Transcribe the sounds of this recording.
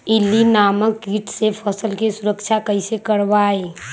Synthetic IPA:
ilinaːməkːiʈsepʰəsəlkesʊɾəkt͡ʃʰakəisekəɾʋaːe

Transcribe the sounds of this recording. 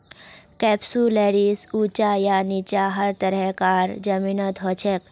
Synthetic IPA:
kɛpsuleɾisut͡ʃajanit͡ʃaɦəɾt̪əɾəkaːɾd͡ʒəminət̪ɦɔt͡ʃʰek

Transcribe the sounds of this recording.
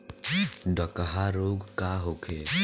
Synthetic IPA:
ɖəkəɦaɾoːɡkaɦokʰe

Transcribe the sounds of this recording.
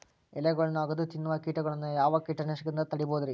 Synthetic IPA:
ɛlɐɡɐɭɐnːuɐɡɐd̪ut̪inːɐʋɐkiːʈɐɡɐɭɐnːujaːʋɐkiːʈːɐnɐʂɐɡɾind̪ɐt̪ɐɽiboːd̪ɐɾi

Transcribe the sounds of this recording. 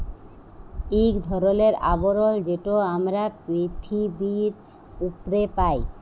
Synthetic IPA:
ikd̪ʱɔɾoleɾa̰boɾold͡ʑeʈoamɾapɾit̪ʰibiɾ | upɾepaj

